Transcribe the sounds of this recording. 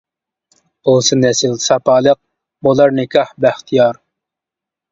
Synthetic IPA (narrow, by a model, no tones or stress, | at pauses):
olˠsɨnɛsɨlsɑpɑːlˠəq̚ | bolˠɑɾnɨkʲʰɑhbæht̪ʰijɑɾ